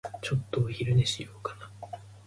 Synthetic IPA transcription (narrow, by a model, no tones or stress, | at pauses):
t͡ɕo̞t̪ːoçiɾɯ̟neɕijoːkana